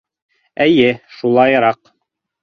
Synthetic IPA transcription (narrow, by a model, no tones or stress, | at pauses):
ɘjɘʃulˠɑjɾɑq